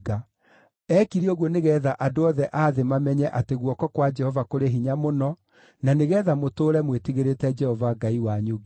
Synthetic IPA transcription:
a | ɛkiɾioɣwɔneɣɛðaʔadoɔðɛʔaðemamɛɲɛʔateɣwɔkɔkwad͡ʒɛhɔvakoɾeɦiɲamonɔ | naneɣɛðamotoːɾɛmwetiɣeɾetɛd͡ʒɛhɔvaɡaiwaɲoɡe

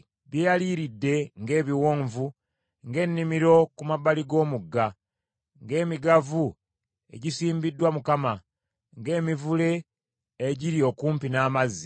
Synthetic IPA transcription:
βjejaliːɾidːe̞ŋɡe̞ːβiwo̞ːɱvu | ŋɡe̞nːimiɾo̞kumaβaliɡo̞ːmuɡːa | ŋɡe̞ːmiɡavu | e̞̰ɟisiːmbidːwamukama | ŋɡe̞ːmivule̞ː | ɟiɾio̞kuːmpinaːmazːi

